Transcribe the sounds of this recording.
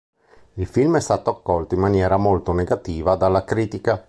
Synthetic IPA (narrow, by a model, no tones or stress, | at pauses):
ilfilmɛst̪aːt̪oakːɔlt̪oimːanjɛːɾamolt̪oneɡat̪iːvad̪alːakɾiːt̪ika